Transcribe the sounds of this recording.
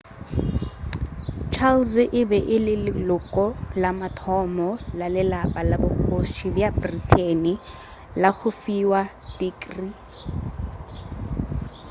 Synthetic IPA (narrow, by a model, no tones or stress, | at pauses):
t͡ʃʰalsʔɪbɛʔɪlɪlɪlʊkʼɔlamatʰɔmɔlalɪlapʼalabʊχoʃibjabritʰʼenɪ | laɣʊfiwa | tiːkʼri